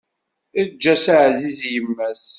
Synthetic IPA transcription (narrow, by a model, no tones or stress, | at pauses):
d͡ʒːæsaʕzizjəmːæs